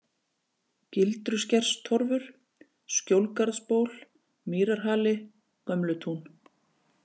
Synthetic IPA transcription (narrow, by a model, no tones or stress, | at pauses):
cɪlt̪ɾʏscɛr̥st̪ʰɔɾvʏɾ̥ | scowlkaɾðspoːwl | miːɾaɾ̥ɦaːlɪ | kœmlʏt̪ʰun